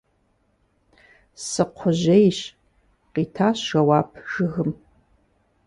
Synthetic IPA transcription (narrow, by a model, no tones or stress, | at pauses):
sɨqʷʰʊʑejɕ | qitʰaːɕʃɐwaːpʰʒ̥ɨɣɨm